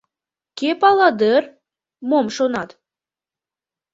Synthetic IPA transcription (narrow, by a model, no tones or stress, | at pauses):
kepɑlɑd̪ər | momʃonɑt̪